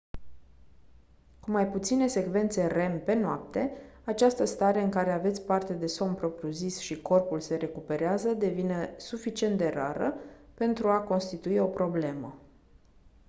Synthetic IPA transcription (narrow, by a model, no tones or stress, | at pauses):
kumajput̪sine̞se̞kve̞nt̪se̞re̞mpe̞noap̚t̪e̞at͡ʃast̪əst̪aɾe̞ɨŋkaɾe̞ave̞t̪sʲpart̪e̞d̪e̞so̞mpɾo̞pɾjuzisʃiko̞rpulse̞ɾe̞kupe̞ɾeazəd̪e̞vine̞sufit͡ʃiend̪e̞ɾa̰ɾəpe̞nt̪ɾuako̞nst̪it̪uio̞pɾo̞ble̞mə